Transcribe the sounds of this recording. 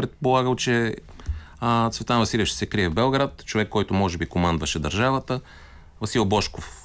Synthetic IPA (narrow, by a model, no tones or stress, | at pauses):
pɾɛt̪̚polˠaɡəlˠt͡ʃɛ | ət̪svɛt̪anvɐsilʲiəʃt̪ɛ̥sɛkɾiɛvbɛlˠɡɾat̪t͡ʃovɛkːɔjt̪ʊmɔʒɛbikomand̪vɐʃɛd̪ɐɾʒavət̪ə | vɐsilˠbɔʃkof